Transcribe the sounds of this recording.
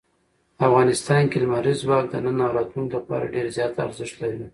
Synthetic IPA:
afɣɑnɪst̪ɑnkeləmaɾizwɑk̚d̪ənənːɑɾɑt̪lunklapɑ̰ɾa̰ɖeɾzjɑt̪a̰ɾzɪʃt̪laɾi

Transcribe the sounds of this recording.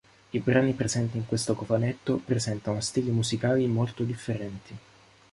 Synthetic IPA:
ibɾaːnipɾezɛnt̪iːŋkwest̪okofanet̪ːopɾezɛnt̪anost̪iːlemuzikaːlimolt̪od̪ifːeɾɛnt̪ʰi

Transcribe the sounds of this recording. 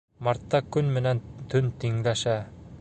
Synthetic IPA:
mɑɾt̪ːɑkɵnmɘ̆nænt̪ʰɵnt̪iŋlæʃæ

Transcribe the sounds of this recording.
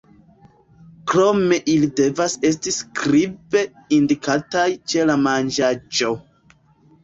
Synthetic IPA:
kɾo̞me̞ʔilide̞vase̞stiskɾibe̞ | indikatajt͡ʃe̞lamand͡ʒad͡ʒo̞

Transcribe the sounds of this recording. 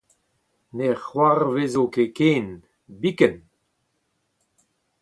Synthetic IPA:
nexwarvezokekeːn | bikən

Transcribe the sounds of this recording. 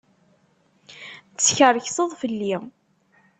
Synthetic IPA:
t͡sːçərəçsəðˤfəlːi

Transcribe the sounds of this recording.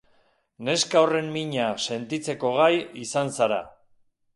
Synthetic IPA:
ne̞skaore̞mmiɲase̞nt̪it͡se̞ko̞ɣ̞ajisansaɾa̰

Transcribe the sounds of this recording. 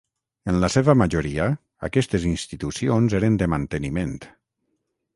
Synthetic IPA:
ənlaseβəmaʒoɾia | a̰kɛst̪ezinst̪it̪usionzeɾənd̪əmant̪ənimẽnt̪

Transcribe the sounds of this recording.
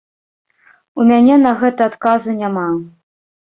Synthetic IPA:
umʲanʲɛnɐɣɛt̪ɐat̪kazunʲama

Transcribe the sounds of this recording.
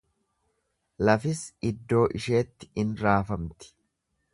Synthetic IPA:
lɐfɪsɪd̪ːo̞ːʔɪʃe̞ːt̪ːɪ̥ɪnɾaːfɐmt̪ɪ̥

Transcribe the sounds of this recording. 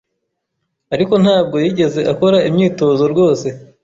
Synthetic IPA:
aɾiko̞n̥haːb̚ɡo̞jiːɟe̞ze̞ʔako̞ɾaimɲiːto̞zo̞ɾɡo̞ːse̞

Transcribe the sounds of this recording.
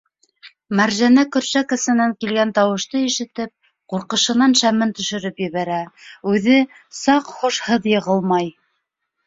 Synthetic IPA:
mæɾʒænækɵ̆ɾʃækɤ̆sɤ̆næŋkilɡænt̪ɑwɤ̆ʃt̪ɤiʃɘ̆t̪ɘp̚ | quɾqɤ̆ʃɤ̆nɑnʃæmɘnt̪ɵ̆ʃɵ̆ɾɘpjɘ̆βæɾæʉðɘ | sɑqχuʃhɤðjɤ̆ʁɤlˠmɑj

